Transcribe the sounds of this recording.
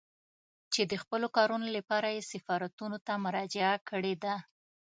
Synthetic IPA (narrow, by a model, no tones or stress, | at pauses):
t͡ʃed̪əxpəlokɑɾunolapɑɾajesɪfɑɾat̪unot̪amʊɾɑd͡ʒɪakəɽed̪a